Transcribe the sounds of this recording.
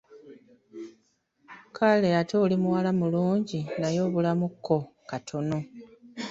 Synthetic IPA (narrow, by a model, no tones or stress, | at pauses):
kʰale̞ato̞ːlimuwalamuluːɲɟinajo̞ːβulamukʰːo̞katʰo̞no̞